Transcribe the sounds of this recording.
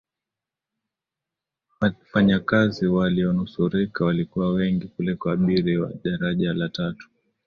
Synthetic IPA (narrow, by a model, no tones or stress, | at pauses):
afaɲakaziwaliɔnusuɾikawalikuwawɛŋɡikulɛkwaaɓiɾiwa̰ɗaɾaʄalatatu̥